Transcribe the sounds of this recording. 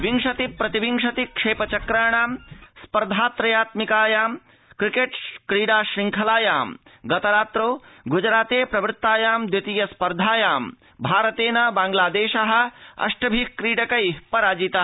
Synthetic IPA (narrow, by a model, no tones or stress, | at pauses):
ʋiŋʂɐt̪ipɾɐt̪ibiŋʂɐt̪ikʂeːpɐt͡ʃɐkɾaːɳ̃aːmspɐɾd̪ʱaːt̪ɾɐjaːt̪mikaːjaːm | kɾikeʈkɾiːɖaːʃiŋkʰɐlaːjaːmɡɐt̪ɐɾaːt̪ɾoːɡud͡ʒɾaːt̪eːpɾɐʋɾɪt̪ːaːjaːmd̪jɐt̪iːjɐspɐɾd̪ʱaːjaːm | bʱaːɾɐt̪eːnɐbaːŋɡlaːd̪eːʃɐɦɐ̆ɐ̰ʂʈɐbʱikɾiːɽɐkɐjpɐɾaːd͡ʒit̪a